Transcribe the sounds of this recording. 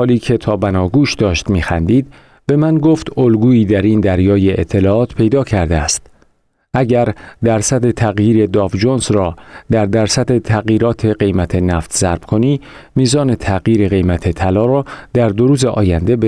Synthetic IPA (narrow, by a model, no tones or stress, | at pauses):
hɒːliːcʰe̞t̪ʰɒːbænɒːɡuːʃd̪ɒːʃt̪miːxænd̪iːd̪̚ | b̥emænɡoft̪olɡuːiːd̪æɾind̪æɾjɒːje̞ʔet̪ʰːe̞lɒːɒːt̪pʰe̞jd̪ɒːcʰæɾd̪eæst̪ | ʔæɟæɾd̪æɾsæd̪e̞t̪ʰæɣjiːɾe̞d̪ɒːvd͡ʒonsrɒːd̪æɾd̪æɾsæd̪e̞t̪ʰæɣjiːɾɒːt̪ʰe̞ɢe̞jmæt̪ʰe̞næft̪ʰz̥æɾb̥kʰo̞niː | miːzɒːne̞t̪ʰæɣjiːɾeɣe̞jmæt̪ʰe̞t̪ʰælɒːɾɒːd̪̥æɾd̪oɾuːze̞ʔɒ̰ːjænd̪e̞b